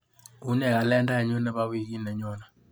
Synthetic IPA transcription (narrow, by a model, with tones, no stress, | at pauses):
u˦nɛ˨ka˨lɛ˦nda˦ɛ˨ɲo˦nɛ˦ba˦wi˦ki˦nɛ˨ɲɔ˦na˨